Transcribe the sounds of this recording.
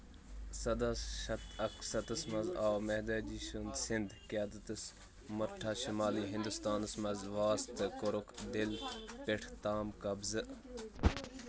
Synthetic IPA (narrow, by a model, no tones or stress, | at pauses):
sɐd̪ɐsʃɐt̪ɐksɐt̪əsmɐzaːwmeɦd̪ɐd͡ʒiːʃund̪sɪnd̪kijaːd̪ɐt̪ɨs | mɐɾʈʰaːʃimaːliːɦɪ̃nd̪ust̪aːnɐsmɐzʋaːst̪ɨkoɾʊkd̪ɪlpeʈʰt̪aːmkɐbzɨ